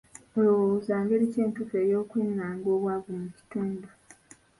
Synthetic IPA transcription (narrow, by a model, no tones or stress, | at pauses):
olouzaːŋɡeɾiceːntufeːjo̞ːkwiːnːaːŋɡoβwaɡumuci̥tuːndu